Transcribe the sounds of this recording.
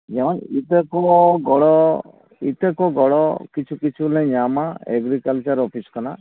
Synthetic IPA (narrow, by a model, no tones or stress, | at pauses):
d͡ʒɛmɔnit̪ekɔɡɔɽɔ | ḭt̪ekɔɡɔɽɔkit͡ʃʰukit͡ʃʰulẽɲamaeɡɾikalt͡ʃaɾɔpʰiskɔna